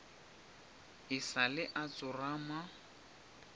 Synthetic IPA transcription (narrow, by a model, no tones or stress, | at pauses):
ɪsalɪʔat͡sʊraːma